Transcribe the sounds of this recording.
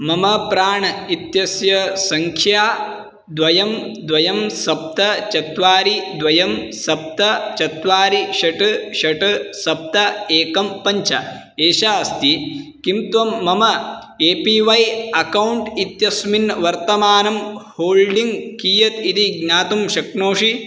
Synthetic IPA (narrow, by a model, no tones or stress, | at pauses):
mɐmɐpɾaːɳɐit̪jɐsjɐsɐŋkʰjaː | d̪ʋɐjɐmd̪ʋɐjɐmsɐp̚t̪ɐt͡ʃɐt̪ʋaːɾid̪ʋɐjɐmsɐp̚t̪ɐt͡ʃɐt̪ʋaːɾiʃɐʈɐʃɐʈɐsɐp̚t̪ɐeːkɐmpɐɲt͡ʃʰɐ | eːʃaːɐst̪ikimt̪ʋɐmːɐmɐ | eːpiːʋɐjɐkɐwuɳʈit̪jɐsminʋɐɾt̪ɐmaːnɐmhoːlɖiŋɡkiːjɐt̪it̪iɡɲaːt̪umʃɐknoːʂi